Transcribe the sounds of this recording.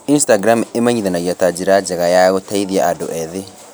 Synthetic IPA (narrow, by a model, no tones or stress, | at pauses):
instaɡɾamemaɲiðanaɣiatad͡ʒiɾad͡ʒaɣajaɣɔtaiðiaadɔ̰ʔɛðe